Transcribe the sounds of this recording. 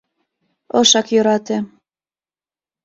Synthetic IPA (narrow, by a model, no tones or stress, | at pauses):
ɤʃɑkjøɾɑt̪e